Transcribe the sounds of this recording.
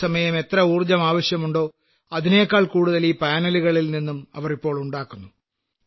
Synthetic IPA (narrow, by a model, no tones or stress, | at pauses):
sɐmɐjɐme̞t̪rɐuːrd͡ʑɐmaːʋɐɕjɐmuɳɖo̞ː | ɐðine̞ːkːaːɭkuːɽuðɐlipaːnɐluɣɐɭilninːumɐ̰ʋɐripːo̞ːɭuɳɖaːkːunːu